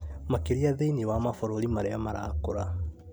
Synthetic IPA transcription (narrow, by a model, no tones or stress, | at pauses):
makeɾiaðeiniwamafoɾoɾimaɾeamaɾa̰koɾa